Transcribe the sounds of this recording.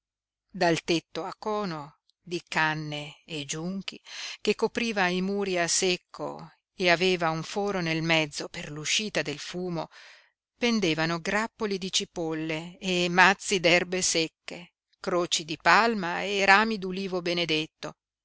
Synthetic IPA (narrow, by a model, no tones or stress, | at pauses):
d̪alt̪et̪ːoakːɔːno | d̪ikanːeːd͡ʒuŋk̟ikekːopɾiːvaimuːɾiasekʰːo̰ | eaveːvauɱfɔːɾonelmɛd̪zːoperluʃiːt̪ad̪elfuːmo | pend̪eːvanoɡɾapːolid̪it͡ʃipolːeːmat̪sːid̪ɛrbesekːe | kɾoːt͡ʃid̪ipalmaeɾaːmid̪uliːvobened̪et̪ːo